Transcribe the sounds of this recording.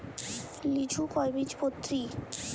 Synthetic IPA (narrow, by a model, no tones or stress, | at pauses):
lid͡ʑʱukɔjbid͡ʑpot̪ːɾi